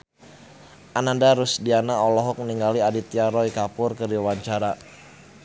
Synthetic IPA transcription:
ʔanandaɾusdianaɔlɔɦɔk̚məniŋɡaliadit̪iaɾɔikapʊrkədiwaɲt͡ʃaɾa

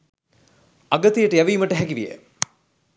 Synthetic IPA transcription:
ɐɡɐt̪ijəʈəjæʋiːməʈəɦɛɡiʋijḛ

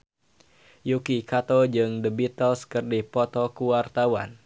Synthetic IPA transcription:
jukikat̪ɔd͡ʒɨŋdəbit̪ɔskərdihpɔt̪ɔkuwart̪awa̰n

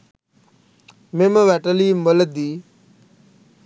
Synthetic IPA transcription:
meməʋɛʈəlimələd̪i

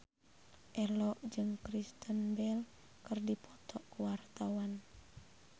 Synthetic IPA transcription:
ʔɛlɔʔd͡ʒɨŋkɾist̪ənbɛl | kɨrdipʰɔt̪ɔʔkuwart̪awan

